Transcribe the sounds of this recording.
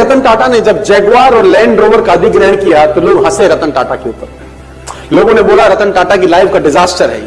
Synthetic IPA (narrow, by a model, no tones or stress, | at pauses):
ɐt̪ənʈaːʈaned͡ʒɐb̚d͡ʒɛːɡaːɾɔːɾlɛ̃ːɳɖɾoːʋəɾkaɐd̪ʱɪɡɾəɦkijat̪oloːɡɦɐseɾɐt̪ənʈa̰ːʈakeɦoːpəɾ | loːɡõneboːlaɾɐt̪ənʈaːʈakilaːɪʋkaɖɪd͡ʒaːsʈəɾɦɛ̰